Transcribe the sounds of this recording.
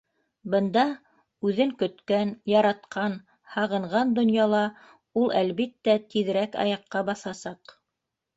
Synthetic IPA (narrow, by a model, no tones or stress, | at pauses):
bɤ̆nd̪ɑ | ʉðɘŋkɵ̆t̪kænjɑɾɑt̪qɑn | hɑʁɤ̆ɴʁɑnd̪ŏnjɑlˠɑ | ulˠælβit̪ːæt̪iðɘ̆ɾækɑ̰jɑqːɑbɑθɑsɑq